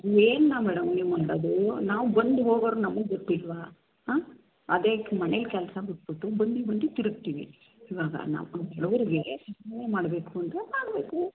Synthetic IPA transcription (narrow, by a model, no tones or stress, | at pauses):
eːnnaːʋɛɽɐmnemɐɳɖɐd̪unaːʋbɐnd̪uɦoːɡoːɾnɐmːɐɡɡoʈːilːʋa | ɐd̪eːmɐnɛlkɛlɐsɐbuʈ̚buʈːubɐnd̪ibɐnd̪ut̪iɾup̚t̪iːʋḭ | iːʋaːɡɐ̰na̰ːɛɭuʋɐɾiɡesɐɦɐnemaːɽbeːkuɐnt̪ɐmaːɽbeːku